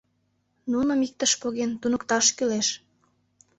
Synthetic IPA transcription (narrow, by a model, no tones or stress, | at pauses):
nunə̆mik̚t̪əʃpoɣent̪unə̆kt̪ɑʃkyleʃ